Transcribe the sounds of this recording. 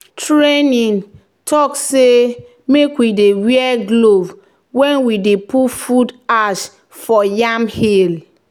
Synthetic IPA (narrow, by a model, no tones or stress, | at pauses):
tɹenĩn | tʰɔkse | mekwidewiɛɡlov | wɛ̃nwidepufudaʃ | fɔjamhil